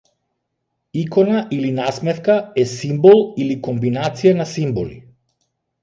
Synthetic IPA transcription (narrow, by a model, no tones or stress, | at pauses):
ikɔnaʔilinasmɛt̪kaɛsimbɔlˠilikɔmbinat̪sijanasimbɔlḭ